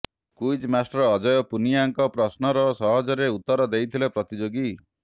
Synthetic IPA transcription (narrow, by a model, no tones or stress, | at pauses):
kujd͡ʒmasʈɔɾɔːd͡ʒɔjɔpunijaŋkɔpɾɔsnɔɾɔsɔɦɔd͡ʒɔɾeut̪ːɔɾɔd̪ejt̪ʰilepɾɔt̪id͡ʒoɡi